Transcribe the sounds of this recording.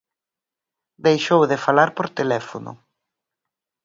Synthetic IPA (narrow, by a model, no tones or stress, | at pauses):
d̪ejʃowðɪfalaɾpoɾt̪elɛfonʊ̰